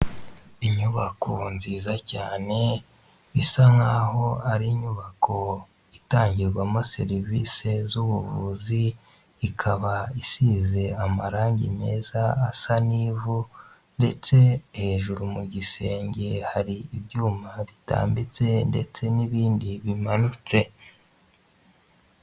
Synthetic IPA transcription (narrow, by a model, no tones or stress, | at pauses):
iɲuβakʰonziːzacaːne̞ | isaŋaɦo̞aɾiɲuβakʰo̞ | itaːɲɟiɾɡwamose̞̰ɾivise̞zuβuvuziː | kʰaβaisize̞amaɾaːɲɟḭme̞̰ːzaːsaniːvu | nde̞t͡se̞he̞ːʒuɾumuɟise̞ːɲɟe̞haɾiibjuːmaβita̰ːmbit͡se̞nde̞̰t͡se̞niβiːndiβimanut͡se̞